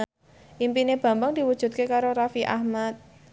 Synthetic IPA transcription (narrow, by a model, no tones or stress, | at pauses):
ʔimpineb̥a̤mbaŋd̪̥i̤wud̥ʒ̥ṳt̪̚kekaɾoɾafiʔa̰hmat̪̚